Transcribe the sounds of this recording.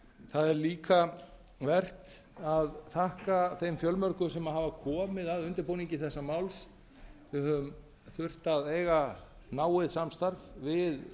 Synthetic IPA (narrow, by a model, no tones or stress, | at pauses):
θaðɛɾliːka | vɛr̥t̪ | aðθahkaθejmfjœlmœɾkʏsɛmaɦavakʰɔːmɪðaðʏnt̪ɪɾpoːwniɲcɪθɛsːamawls | vɪhœm | θʏr̥t̪aðeːjɣanaːwɪðsamst̪aɾvvɪð